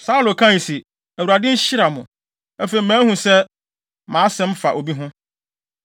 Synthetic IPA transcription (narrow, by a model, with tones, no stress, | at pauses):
sa˦u˦lo˨kʰã˦˨si˨ | æ˨wu˨ɾa˨dɪ̃˦ɕɪ˦ɾa˨mʊ̰̃˨ | æ˦fe˨i˨mæ̃ː˨˦hũ˨sɛ˦ | mãː˨˦sɛ̃˦m˦fa˨ʔo˨bi˦ɦʊ̃˦